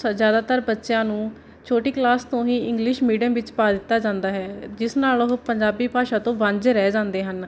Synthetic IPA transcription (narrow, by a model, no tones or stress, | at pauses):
zjaːd̪aːt̪əɾbətːʃjãːnũː | t͡ʃʰoːʈiːklaːst̪õːɦĩːɪŋɡlɪʃmiːɖəmʋɪt͡ʃpaːd̪ɪt̪ːaːd͡ʒãːnd̪aːɦɛːd͡ʒɪsnaːlɦpəɲd͡ʒaːbiːpaːʃãːt̪õːʋəɲd͡ʒɾɛːd͡ʒãːnd̪eːɦən